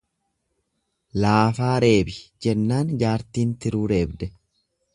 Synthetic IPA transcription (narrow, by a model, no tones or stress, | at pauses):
laːfaːɾe̞ːbɪd͡ʒɛnːaːnd͡ʒaːɾt̪iːnt̪ɪɾuːɾe̞ːbd̪ɛ